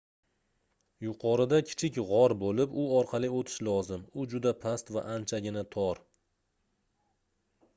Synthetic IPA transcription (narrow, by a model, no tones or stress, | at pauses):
jʊqʰɒɾɪd̪akʲʰɪ̥t͡ʃʰɪkʲʁɒɾbolɪpʊɒɾqʰɑlˠɪot̪ʰɪ̥ʃlɒzɪmʊd͡ʒʊd̪apʰast̪va̰ʔant͡ʃʰaɡʲɪnat̪ʰɒɾ